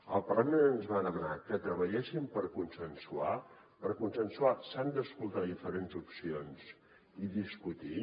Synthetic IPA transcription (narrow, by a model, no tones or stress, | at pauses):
əlˠpərlamenənzβaðəmənakət̪ɾəβ̞əʎɛsimpəɾkunsənsua | pəɾkunsənsuasand̪əskulˠt̪aðifəɾenzupsionz | iðiskut̪i